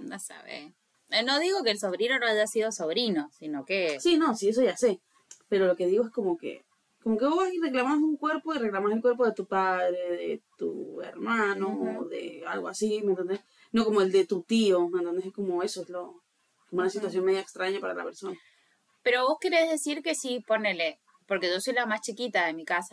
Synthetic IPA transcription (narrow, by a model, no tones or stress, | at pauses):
dasa̰βḛ | no̞ðiɣo̞keːlso̞βɾinonoaʒasið̞o̞soβ̞ɾino̞sinokesino̞sies̬o̞ʝase̞ | pe̞ɾo̞lo̞ke̞ð̞iɣoe̞skomo̞kḛ | ko̞mo̞keβoasireklamasuŋkwe̞ɾpo̞ire̞klamaselkwe̞ɾp̬o̞ðe̞t̪upaðɾe̞ðet̪ṵḛɾmanoːðḛalɣoasimẽnt̪ond̪es | no̞ko̞mo̞e̞ld̪e̞t̪ut̪io̞ment̪oneseko̞moe̞soezlo | komounasit̪was̬jo̞nmeðjaekst̪ɾaɲapaɾala̰pe̞ɾso̞na | pe̞ɾo̞βo̞skeɾezðe̞siɾke̞siponele | po̞ɾke̞ʒo̞so̞jlamast͡ʃikit̪aðemikasḁ